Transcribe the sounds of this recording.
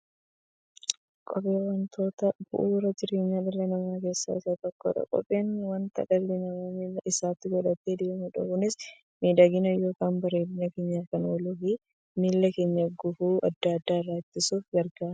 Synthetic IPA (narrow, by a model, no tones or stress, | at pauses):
kʼɔpʼeːwɐnt̪ʰo̞ːt̪ɐb̥ʊ̰ʔuːɾɐd͡ʒɪɾeːɲːaːᶑɪlːɐnɐmaːke̞ːsːa̰ːɪsat̪ɔkːo̰ːᶑɐ̰kʼɔ̰pʼːeːnːwɐnt̪ɐ̰kʼɐllɪnɐmɐːmilːɐʔɪsaːt̪ːɪɡɔᶑɐt̪ːed̪eːmʊᶑɐ̰kʊnɪs | miːd̪aɡɪnɐjo̞ːkaːnbɐɾeːdɪɲɐkeːɲːaːkɐnoːlʊfi | miːlːɐke̞ːɲːɐɡʊfuːʔɐd̪ːaɐd̪ːaːɪrːaːɪt̪ːɪsuːfɡɐɾɡaː